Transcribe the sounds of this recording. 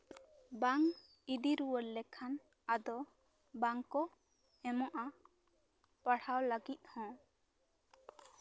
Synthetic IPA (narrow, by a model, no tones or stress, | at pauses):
baŋ | id̪iɾuwəɾlɛkʰan | ad̪ɔ | baŋkɔ | ɛmɔʔa | paɽhawləɡit̪̚hɔ̃